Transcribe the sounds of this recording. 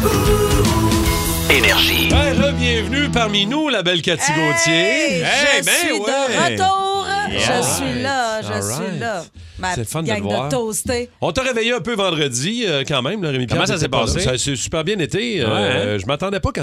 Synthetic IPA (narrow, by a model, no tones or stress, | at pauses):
enɛʁʒḭbɛ̃ʁəbjɛ̃vnypaʁminulabɛlkʲat͡siɡõt͡sje | bɛ̃wət̪uːʁjɛəsɥilaʒəsaɥiɪla | mst̪ɛfɔnəvwd̪aːt̪ost̪eɔ̃t̪əʁevɛjeɛ̃pøvɑ̃d̪ʁəd͡ziəkɑ̃ːmɛ̃mlɔʁemipikmãsas̬ɛpɑːsessasesy̥pɛːʁbjɛ̃net̪eɛ̃ʒəmat̪ɑ̃d̪ɛpʌkã